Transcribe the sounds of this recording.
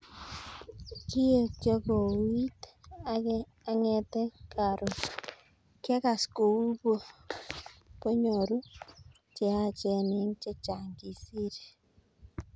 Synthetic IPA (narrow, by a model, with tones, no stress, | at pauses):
ki˦e˦t͡ʃɔ˦ɡo˨wi˦t̪a | a˦ŋɛ˨t̪ɛ˦ka˨ɾo˨ | kɛ˦ka˨sko˨u˦bo˦ | po˦ɲo˨ɾu˦ | t͡ʃe˨a˦t͡ʃɛ˨nɪ˦ŋt͡ʃe˦t͡ʃa˨ŋɡi˨si˦ɾ